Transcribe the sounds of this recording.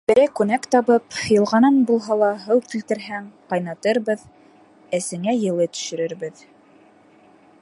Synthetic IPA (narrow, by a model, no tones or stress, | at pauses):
bɘ̆ɾæjkʉnækt̪ɑβɤpjɤ̆lˠʁɑnɑnbulˠɦɑlˠɑɦɤwk̪ilt̪ɘ̆ɾɦæŋqɑjnɑt̪ɤɾβɤð | æsɘ̆ŋæjɤ̆lˠɤt̪ɵ̥̆ʃɘ̆ɾɘ̆ɾbɘð